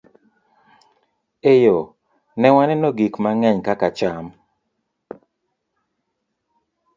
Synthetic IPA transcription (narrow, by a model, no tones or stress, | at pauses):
ejo | nɛwanɛnoɡikmaŋɛɲkakat͡ʃam